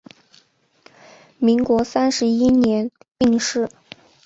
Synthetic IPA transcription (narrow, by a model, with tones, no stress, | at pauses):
mi˧˥ŋkwɔ˧˥sa˥nʂɻ̩˧˥i˥njɛ˧˥n | pi˥˧ŋʂɻ̩˥˩